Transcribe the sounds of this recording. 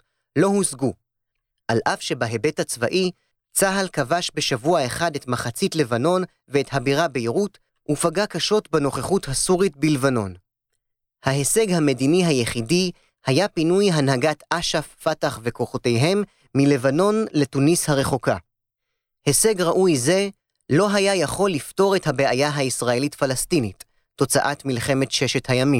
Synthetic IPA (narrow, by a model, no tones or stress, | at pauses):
lo̞husɡu | ʔalʔafʃe̞baɦe̞be̞that͡sva̰ʔi | t͡saɦalkavaʃbe̞ʃavuae̞χadetmaχat͡sitle̞vano̞n | veːthabiʁabeiʁut | ʔufaɡakaʃo̞tbeno̞χeχuthasuʁit̚bilvano̞n | hahe̞se̞ɡhame̞diniɦajeχidi | hajapinujɦanɦaɡatʔaʃafːataχve̞koχo̞te̞jɦe̞mː | ile̞vano̞nle̞tunishaʁe̞χo̞ka | he̞se̞ɡʁaʔujze̞ | lo̞ɦajajaχo̞lːifto̞ʁe̞thabe̞ajaɦaisʁae̞litfalastinitː | o̞t͡saʔatmilχe̞me̞tʃe̞ʃe̞thajamim